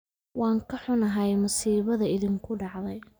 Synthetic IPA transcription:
wɑːŋkʰɐħʊnɐɦɐjmʊsiːβɐðɐɪðiŋkʰʊɖɑʕðɛj

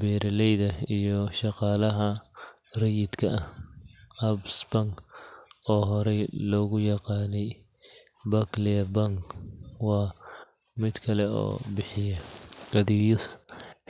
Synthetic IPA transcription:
bɛːɾɐlɛjðɐijɔʃɑqɑːlɐɦɐrɐjɪd̪kʰɐɐh | ɐbsbɐŋ | ɔːɦɔɾɛjlɔːɣʊjɑqɑːnɛj | bɐklɛbɐŋwɑː | mɪd̪kʰɐlɛɔ̰ːbɪħɪjɐɐðɪjs

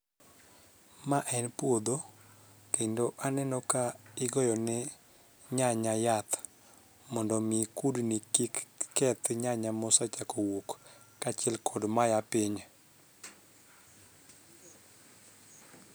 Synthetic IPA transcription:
maʔɛnpwod̪o | kendoʔanɛnɔkaɪɡɔjɔnɛ | ɲaɲajat̪ | mɔndɔmɪkudnikikːɛt̪ɲaɲamɔsat͡ʃakɔwukː | at͡ʃɪɛlkʰɔdmajapɪɲ

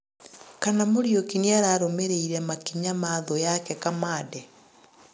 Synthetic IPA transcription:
kanamoɾjokiniaɾaːɾomeɾeiɾɛmakiɲamaðɔjakɛkamaːdɛ

